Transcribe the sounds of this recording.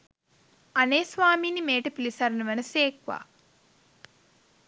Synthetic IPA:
ɐneːsʋaːmiːnimeːʈɐpilisɐɾɐnɐʋɐnɐseːkʋa̰ː

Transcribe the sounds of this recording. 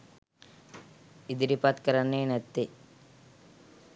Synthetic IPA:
id̪iɾipat̪kɐɾɐneːnɐt̪ːi

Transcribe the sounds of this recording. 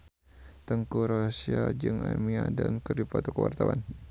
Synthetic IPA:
t̪əŋkuɾosiad͡ʒɨŋamiadamkərdipat̪okəwa̰rt̪awan

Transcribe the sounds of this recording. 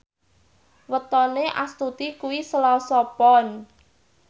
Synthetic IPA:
wət̪ɔneʔa̰st̪ut̪ikuwisəlɔsɔpɔn

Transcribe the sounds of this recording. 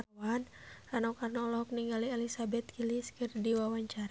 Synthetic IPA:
awan | anɔkarnɔlɔɦɔk̚niŋɡaliɛlisabɛt̪̚kʰiliskɨrdiwawaɲt͡ʃaɾa

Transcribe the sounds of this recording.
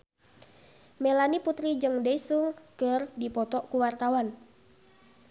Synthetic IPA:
melaniput̪ɾid͡ʒɨŋdesuŋkərdipɔt̪ɔʔkuwart̪awan

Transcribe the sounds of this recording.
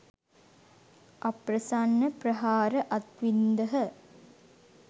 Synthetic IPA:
ʔaprəsanːəprəɦaːɾəʔat̪ʋind̪əɦə

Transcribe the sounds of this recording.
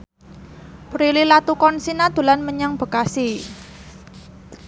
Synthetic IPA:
pɾililat̪ukɔnsinad̪̥ṳlanməɲəŋb̥ə̤kasi

